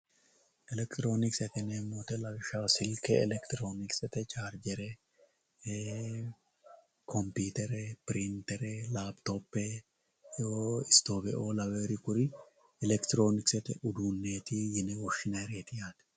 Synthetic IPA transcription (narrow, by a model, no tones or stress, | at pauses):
ʔɛlɛkt̪ɪɾo̞ːnɪksɛt̪ɛneːmːoːt̪ɛlɐwɪʃaːsɪlkɛɛ̰lɛkt̪ɪɾo̞ːnɪksɛt̪ɛt͡ʃaːɾd͡ʒɛɾɛ | kʰɔmpiːt̪ɛɾɛpɪɾɪnt̪ɛɾɛlaːbt̪opːɛ | oɪst̪o̞ːbɛʔoːlɐwɛɾɪkʊɾɪ | ɛlɛkt̪ɪɾo̞ːnɪksɛt̪ɛʔʊd̪unːeːt̪ɪjɪnɛwɔʃːɪnɐɾeːt̪ɪjaːt̪ɛ̥